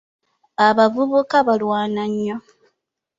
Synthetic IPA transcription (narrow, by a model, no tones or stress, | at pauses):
aβavuβukaβalwaːnaɲːo